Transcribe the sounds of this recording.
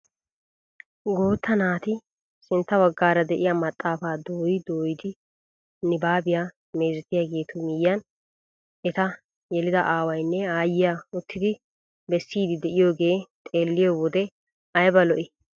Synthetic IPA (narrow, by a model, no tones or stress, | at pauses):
ɡo̞ːt̪ːɐnaːt̪ɪ | sɪnt̪ːɐwɐɡːaːɾɐd̪ɛʔɪjamɐt̪ʼːaːfaːd̪oːjɪd̪o̞ːjɪd̪ɪ | nɪbaːbɪjaː | me̞ːzɛt̪ːɪjaːɡe̞ːt̪ʰʊmɪjːɐn | ɛt̪ɐ | jɛlɪd̪ɐʔaːwɐjnːɛaːjːɪjaʊt̪ːɪd̪ɪ | bɛsːiːd̪ɪd̪ɛʔɪjo̞ːɡe̞ːt̪ʼe̞ːlːɪjowɔd̪ɛ | ɐjbɐlɔʔɪ